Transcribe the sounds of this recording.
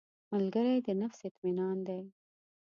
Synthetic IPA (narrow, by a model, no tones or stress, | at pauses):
malɡəɾajd̪ənafsɪt̪minɑnd̪aj